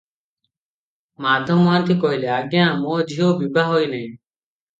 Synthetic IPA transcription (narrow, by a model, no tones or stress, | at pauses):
mad̪ʱɔmant̪ʰikɔɦileaɡjãmod͡ʒʱiobibaɦojnɛĩ